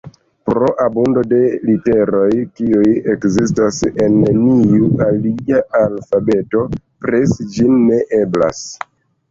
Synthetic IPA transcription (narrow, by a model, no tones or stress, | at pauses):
pɾo̞ʔabundo̞de̞lite̞ɾo̞jkiujekzistase̞nːiualiaʔalfabe̞to̞ | pɾesd͡ʒinːe̞ʔe̞bla̰s